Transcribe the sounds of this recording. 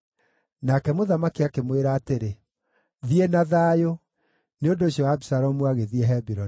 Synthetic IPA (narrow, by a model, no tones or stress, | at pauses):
nakɛmoðamakiakemweɾaːteɾe | ðienaðaːjo | neodoeɕiɔwabisaɾɔmuaɣeðiɛɦɛbiɾɔ